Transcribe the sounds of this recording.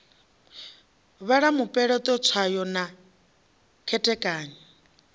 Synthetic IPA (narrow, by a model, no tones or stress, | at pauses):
βaɺamupʼɛɺɔt̪ʼɔt͡sʰwajɔna | kʰɛtʼɛkʼaːɲɔ